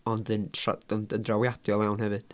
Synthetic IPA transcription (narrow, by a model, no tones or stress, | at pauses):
ɔndɨna̰dɔndəndrawjad̥jɔlˠɛwnhɛvɨd̥